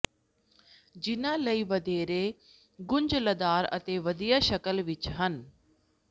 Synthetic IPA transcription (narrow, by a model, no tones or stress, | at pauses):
d͡ʒɪnãːləiːʋəd̪eːɾeː | ɡʊɲd͡ʒləd̪aːɾə̰t̪eːʋəd̪ijaːʃəkəlʋɪt͡ʃɦən